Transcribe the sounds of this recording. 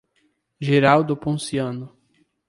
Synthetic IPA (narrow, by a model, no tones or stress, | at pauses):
ʒeɾawd̪opõsiɐ̃nʊ